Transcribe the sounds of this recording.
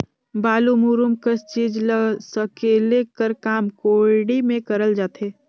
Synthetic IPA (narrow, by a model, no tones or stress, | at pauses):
baːlumuɾumkəst͡ʃiːd͡ʒləɡsəkelekəɾkaːmkoːɽimẽkəɾəld͡ʒaːt̪eː